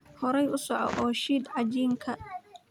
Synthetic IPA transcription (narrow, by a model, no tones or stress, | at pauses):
hɔɾɛjʊsɔʕɔ̰ʔɔːʃiːd̪ʕɑd͡ʒiːŋkʰɐ